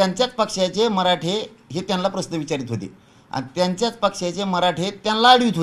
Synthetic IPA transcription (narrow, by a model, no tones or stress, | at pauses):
t̪jaɲt͡ɕjat͡spəkʂjat͡ɕeməɾaʈʰeɦet̪janlapɾəsnəʋit͡ɕaɾiːt̪ɦot̪ḛ | a̰nit̪jaɲt͡ɕjat͡spəkʂat͡ɕeməɾaʈʰet̪janlaəɽʋiːt̪o